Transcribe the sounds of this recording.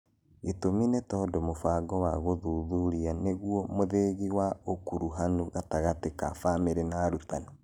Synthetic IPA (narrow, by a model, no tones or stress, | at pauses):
ɣetominɛtɔːdɔmofaːɡɔwaɣoðuðuɾianeɣuɔmoðeɣiwaokuɾuɦanuɣataɣateka̰fameɾenaɾutanɔ